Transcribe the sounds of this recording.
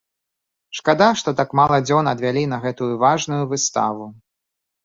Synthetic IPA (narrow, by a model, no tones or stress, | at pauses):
ʂkad̪aʂt̪ɔt̪akmalˠɐd͡zʲɔnɐd̪vʲalʲinɐɣɛt̪ujuvaʐnujuvɨst̪a̰vu